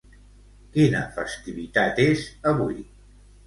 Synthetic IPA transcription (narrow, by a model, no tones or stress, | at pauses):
kinə̰fəst̪iβit̪at̪ezəβuj